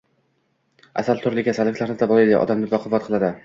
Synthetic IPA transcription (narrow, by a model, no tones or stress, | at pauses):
a̰salˠt̪ʰʊɾlɪkʲʰasalːɪkʲlaɾnɪt̪ʰabɒlˠajd̪a̰ʔɒ̰d̪amnɪb̪ɒqʰʊvːat̪̚qʰɨlˠad̪ɪ